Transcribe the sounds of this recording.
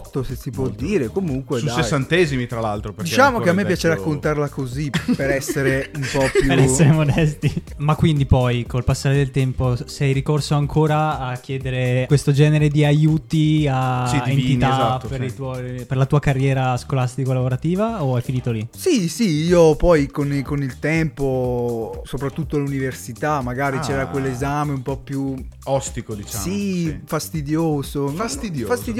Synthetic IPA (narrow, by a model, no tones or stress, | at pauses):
t̪ːosesipwɔd̪iːɾekomuŋkwedusseːant̪ɛːzimit̪ɾalalt̪ɾopeɾd̪ikt͡ʃaːmoeamːepjat͡ʃeɾakːont̪aɾlakozipeɾɛsːeɾeumpɔpjupeɾɛsːeɾemod̪ɛst̪imakːwind̪ipɔjkolpasːaːɾed̪elt̪ɛmposɛjɾikorsoaŋkʰoːɾaːkːjɛːd̪eɾekwest̪od͡ʒɛːneɾed̪iajuːt̪iasient̪it̪aaːpeɾit̪uɔperlat̪uːakarːjɛːɾaskolast̪ikolavoɾat̪iːvaoajfiniːt̪olisisiiːopɔjkonkonilt̪ɛmpo | sopɾat̪ːut̪ːoaluniversit̪amːaɡaːɾit͡ʃɛːɾakwelːezaːmeumpɔpːjuɔst̪ikod̪it͡ʃsaifast̪id̪joːzoast̪id̪jofast̪id̪j